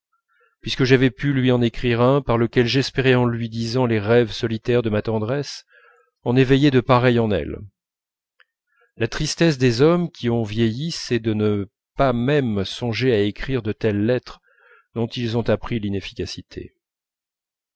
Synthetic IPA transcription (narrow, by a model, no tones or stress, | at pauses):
pɥiskəʒavɛpylɥiɑ̃nekχiʁɛ̃paʁləkʲɛlʒɛspeʁeɑ̃lɥid̪izɑ̃leʁɛvsɔlit̪ɛʁd̪əmat̪ɑ̃d̪ʁɛs | ɔ̃nevɛjed̪əpaʁɛjɑ̃nɛ̰l | lat̪χist̪ɛsd̪ezɔmkʲʰiɔ̃vjejisɛd̪ənə | pamɛmsɔ̃ʒeaekχiʁd̪ət̪ɛlːɛt̪χ | d̪ɔ̃t̪ilzɔ̃t̪apχilinefi̥kʲasit̪ʰḛ